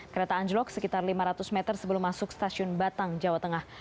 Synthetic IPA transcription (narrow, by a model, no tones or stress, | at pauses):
kəɾet̪aːɲd͡ʒəlɔksəkit̪arlimaɾat̪ʊsmɛt̪ərsəbəlʊmːasʊkst̪asiʊnbat̪aŋd͡ʒawat̪əŋah